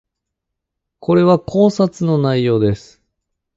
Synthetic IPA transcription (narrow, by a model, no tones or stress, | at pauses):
kʰo̞ɾe̞βakʰo̞ːsat͡sɨno̞naijo̞ːd̪e̞sɨ̥